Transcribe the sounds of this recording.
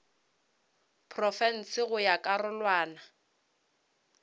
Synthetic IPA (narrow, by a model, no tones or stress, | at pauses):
pʰrɔfɛn̩sɪɣʊjakʼarʊlwaːna